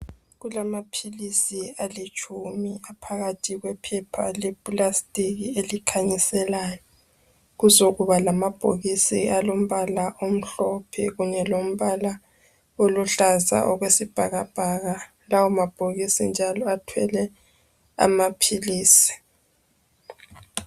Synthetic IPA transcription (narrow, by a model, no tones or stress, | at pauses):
ɣulamapʰilisialit͡ʃʰʼumiapʰaɣatʰiɣwɛpʰɛpʰa̰lɛbulastʼiɣielikʰaɲisɛlaːjɔ | ɣuzoɣuβalamab̥ʱo̰ɣisialom̩βalaʔom̩ɬɔpʰɛ̰ɣuɲɛlom̩βala | oluɬaza̰ʔɔɣwesib̥ʱaɣab̥ʱaɣa | lawumab̥ʱoɣisind͡ʒʱalɔatʰwɛ̰lɛ | a̰mapʰiliːsi̥